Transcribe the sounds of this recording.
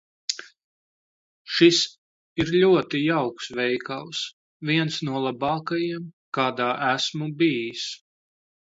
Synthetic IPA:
ʃis | iɾlʲuɔt̪ijawksvɛjkaws | vʲiɛnsnuɔlˠabɑːkajiɛm | kaːd̪aːʔæsmubiːjis

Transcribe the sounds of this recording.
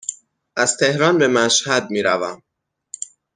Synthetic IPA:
ʔæz̥t̪ʰe̞hɾɒːnbe̞mæʃhæd̪̚miːɾævæm

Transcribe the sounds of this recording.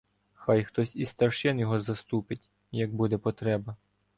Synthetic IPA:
xajxt̪ɔsʲist̪ɐrʃɪnjɔɦɔzɐst̪upɪtʲ | jɐɡ̚bud̪ɛpɔt̪ɾɛbɐ

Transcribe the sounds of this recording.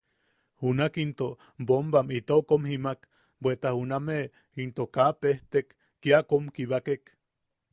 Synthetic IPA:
hunakint̪oʔ | bombamit̪okomhimak | bwet̪ahuname | int̪okapeht̪ekː | iakomkiβakek

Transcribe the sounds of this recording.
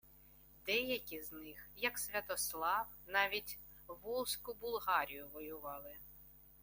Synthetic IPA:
d̪ɛjɐkʲiznɪxjɐksʲʋʲɐt̪ɔslˠɑw | nɑʋʲitʲ | ʋɔlˠsʲkʊbʊlˠɦɑɾʲijʊʋɔjʊʋɑlˠɪ

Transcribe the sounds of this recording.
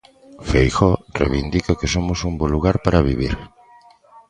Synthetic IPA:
fejxɔrḛβind̪ikakesomʊsumboluɣaɾpaɾaβiβiɾ

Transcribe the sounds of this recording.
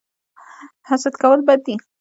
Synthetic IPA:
hasat̪kawəlbad̪ːi

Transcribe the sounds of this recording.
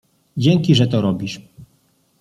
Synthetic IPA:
d͡ʑɛŋkʲiʐɛt̪ɔɾɔbʲiʂ

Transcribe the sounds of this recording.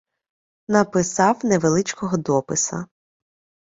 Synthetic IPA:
nɐpɪsɑwneʋelˠɪt͡ʃkɔɦɔd̪ɔpɪsɐ̰

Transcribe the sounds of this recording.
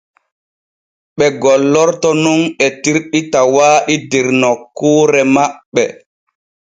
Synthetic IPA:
ɓɛɡɔlːɔɾtɔnunɛtiɾɗitawaːɗidiɾnɔkːuːɾɛmaɓːɛ̰

